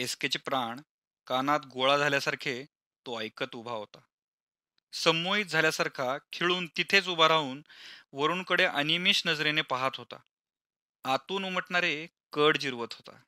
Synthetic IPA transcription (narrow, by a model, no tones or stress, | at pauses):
esket͡ɕepɾaɳ | kanat̪ɡoɭad͡zʱaljasaɾkʰe | t̪oəjkət̪ubʱaɦot̪a | səmoit̪̚d͡zʱaljasaɾkʰakʰeɭuːnt̪it̪ʰet͡subʱaɾauːnʋəɾuːnkəɽeʔənimiːɕnəd͡zɾenepaɦat̪ɦot̪a̰ | at̪uːnuməʈɳaɾe | kəɽd͡ʑiɾʋət̪ɦot̪a̰